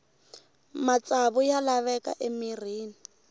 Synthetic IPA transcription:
mat͡sʼaβʊjalaβɛkʼa̰ʔɪmiriːni

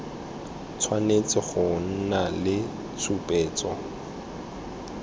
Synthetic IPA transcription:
t͡sʰwanet͡sʼɪχʊn̩nalɪ | sʰupʼɛːt͡sʼɔ

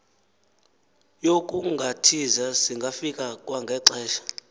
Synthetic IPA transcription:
jokʼuŋɡʱatʰizasiŋɡʱafikʼakʼwaŋɡʱɛǀɛːʃḁ

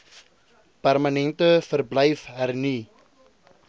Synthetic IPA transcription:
pærmənɛntəfərbləjfɦərni

